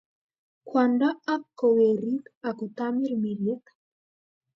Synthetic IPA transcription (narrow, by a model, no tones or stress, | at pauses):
kwandaakːoweɾit̪akut̪amiɾmiɾjekḁ